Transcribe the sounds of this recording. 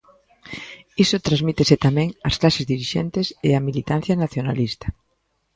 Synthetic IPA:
isʊt̪ɾazmit̪esɪt̪amɛ̃ŋɐsklasezðiɾiʃɛnt̪ɪsɪɐmilit̪an̟θjɐnaθjona̰list̪ɐ̥

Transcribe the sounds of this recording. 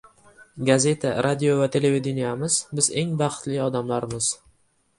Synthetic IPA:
ɡaze̞t̪ʰaɾʔad̪ijovat̪ʰe̞le̞ved̪ɪnijamɪzbɪze̞ŋbaχt̪lɪɒd̪amlaɾmɪz̥

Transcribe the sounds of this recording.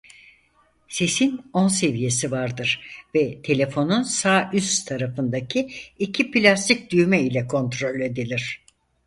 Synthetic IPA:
se̞sino̞nse̞vije̞sivaɾd̪ɯɾ̥vɛt̪ʰe̞lʲe̞fo̞nunsaːʔyst̪ʰaɾafɯnd̪acʰiicʰipilʲast̪ʰic̚d̪yjmɛilʲɛkʰo̞nt̪ɾo̞lʲe̞d̪ilʲiɾ̝̥

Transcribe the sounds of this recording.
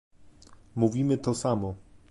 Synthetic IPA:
muvʲimɘt̪ɔsamɔ

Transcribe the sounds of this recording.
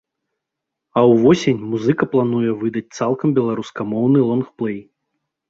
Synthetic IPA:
ɐwvɔsʲenʲmuzɨkɐplˠanujɛvɨd̪ɐt͡sʲt̪salˠkɐmbʲɛlˠaɾuskɐmɔwnɨlˠɔnxplˠɛj

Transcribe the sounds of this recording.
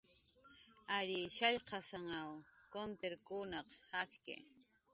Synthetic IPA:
aɾiʃaʎqɑsaŋawkont̪eɾkunɑqhakkɪ̰

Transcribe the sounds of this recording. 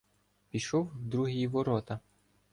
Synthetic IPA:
pʲiʃɔwd̪ɾuɦijiʋɔɾɔt̪ɐ

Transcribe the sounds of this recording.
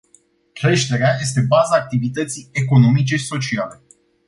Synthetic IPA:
kɾe̞ʃt̪e̞ɾeaje̞st̪e̞bazaːk̚t̪ivit̪ət̪sije̞ko̞no̞mit͡ʃe̞i̥so̞t͡ʃiale̞

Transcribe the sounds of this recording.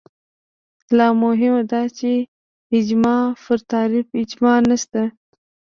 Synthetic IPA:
lɑmʊɦɪmad̪ɑt͡ʃe | ɪd͡ʒmɑfəɾt̪ɑɾɪbɪd͡ʒmɑnast̪a

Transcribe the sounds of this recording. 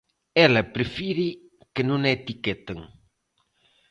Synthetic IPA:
ɛlɐpɾefiɾi | kenũŋet̪ikɛt̪eŋ

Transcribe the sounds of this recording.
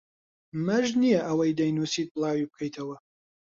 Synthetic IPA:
mɐʒnijɛʔɐwɐjd̪ɐjnuːsiːt̪̚blˠaːwibɨkʰɐjt̪ʰɐwɐ

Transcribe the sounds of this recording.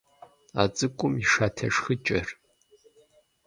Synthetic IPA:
at͡sʼɨkʷʼʊmiʂaːtʰɐʂxɨt͡ʃʼɐr

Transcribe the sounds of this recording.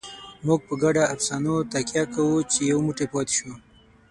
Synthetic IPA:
mʊɡ̚pəɡaɖaafsɑnot̪akjakawut͡ʃejawmʊʈepɑt̪e̥ʃo

